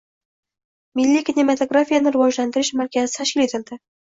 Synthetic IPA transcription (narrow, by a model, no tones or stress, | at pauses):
milːikʲinʲemat̪oɡɾafʲijanɪɾɨwɒʒland̪ɪɾɪʃmæɾkʲæzɪ̥t̪ʰaʃkʲɪlet̪ɪ̆ld̪ɪ